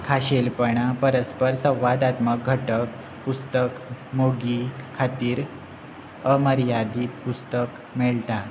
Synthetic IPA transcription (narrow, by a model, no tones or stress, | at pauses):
kʰaɕelpəɳapəɾəspəɾsə̃w̃ʋad̪at̪mək̚ɡʱəʈək | pust̪əkmoɡikʰat̪iːɾ | əməɾjad̪iːt̪pust̪ək | meɭt̪a